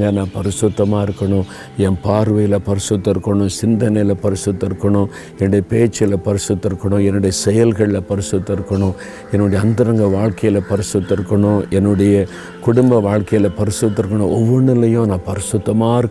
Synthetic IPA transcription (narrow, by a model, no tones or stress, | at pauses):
ɡɐnãːpɐɾɪsʊt̪ːɐmaːɪɾɯkːɐɳʊ̃ | ɛnpaːɾʋɐjɪlɐpɐɾɪsʊt̪ːɪɾɯkːɐɳʊ̃sɪnd̪ɐnɐjɪlɐpɐɾɪsɯt̪ːɐɪɾɯkːɐɳʊ̃ | ɛnːɯɽɐjɐpeːt͡ʃːɪlɐpɐɾɪsɯt̪ːɐɾɯkːɐɳʊ̃ɛnːɯɽɐjɐsɛjɐlɣɐɭːɐpɐɾɪsɯt̪ːɪɾɯkːɐɳʊ̃ | ɛnːʊɽɐjɐnd̪ɪɾɐŋɡɐʋaːɭkɐjɪlɐpɐɾɪsɯt̪ːɐɪɾɯkːɐɳʊ̃ʔɛnːɯɽɐjɐ | kʊɽʊmbɐʋaːɭkɐjɪlɐpɐɾɪsɯt̪̬ːɪɾɯkːɐɳʊ̃ɔʋːɔɳɪlːɐjʊ̃nãːpɐɾɪsʊt̪ːɐmaːɪɾɯkː